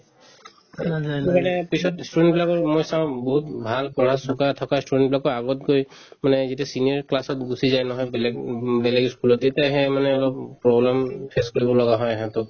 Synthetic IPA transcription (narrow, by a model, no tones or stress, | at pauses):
eumanɛpisɔtstudɛntbilakɔɹmojsãʊ̃bɔɦutbʱalpɔnɦassɔkat̪ʰɔkastudɛnbilakɔaɡɔt̚ɡoj | manɛzitasinijɔɹklasɔtɡusizajnɔɦɔjbɛlɛɡbɛlɛɡskulɔtetaɦemanɛɔlɔp̚pɹɔblɛmpʰɛskɔɹibɔlɔɡaɦɔjɦɛ̃t̪ɔ